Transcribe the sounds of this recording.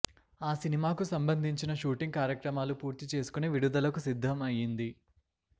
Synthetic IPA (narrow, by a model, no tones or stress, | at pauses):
aːsinimaːkusɐmbɐnd̪ʱiɲt͡ʃinɐʃuːʈiŋɡ̚kaːɾjɐkɾɐmaːlupuːɾt̪it͡ʃe̞ːsu̥kuneʋiɽud̪ɐlɐkusid̪ʱːɐmɐjind̪i